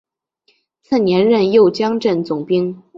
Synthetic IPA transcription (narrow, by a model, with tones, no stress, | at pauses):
t͡sʰə˥˩njɛ˧˥nɻə˥˧njo˥˩ʊt͡ɕjɑ˥ŋʈ͡ʂə˥˩nt͡sʊ˨˩ŋpi˥ŋ